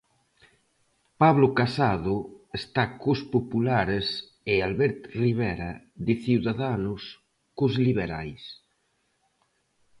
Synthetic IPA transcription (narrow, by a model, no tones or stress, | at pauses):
paβlokasað̞ʊest̪akospopulaɾes | ɪalβɛɾt̪riβ̞ɛɾa | ðɪθiwðaðanʊs | kozliβ̞eɾa̰js